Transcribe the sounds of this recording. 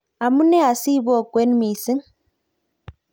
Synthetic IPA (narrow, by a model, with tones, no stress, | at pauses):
a˨mu˦nɛ˦a˨si˦βɔ˦˨kwe˦nmi˨si˦ŋ